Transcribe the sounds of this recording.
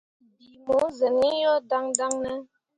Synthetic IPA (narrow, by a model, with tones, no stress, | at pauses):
bi˨mo˨˦zə˨ni˦jɔ˦da˦ŋda˦ŋnə˦